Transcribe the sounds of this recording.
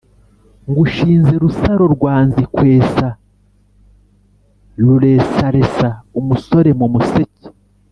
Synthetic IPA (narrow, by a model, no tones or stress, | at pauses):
ŋɡuʃiːnze̞ɾusaɾo̞ɾɡwaːnzikwe̞ːsa | ɾuɾe̞ːsaɾe̞saumuso̞ɾe̞mumusece̥